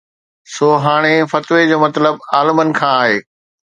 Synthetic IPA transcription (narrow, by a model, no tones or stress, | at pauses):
soːɦaːɽ̃efɐt̪ʋed͡ʑoːmɐt̪ləbaːləmənɪ̆kʰãːaːɦeː